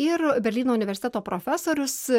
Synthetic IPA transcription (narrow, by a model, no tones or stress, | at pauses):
ɪɾbʲɛɾʲlʲiːnoːʊnʲɪʋʲɛɾʲsʲɪt̪ʲɛt̪oːpɾoːfʲæsoːɾʲʊs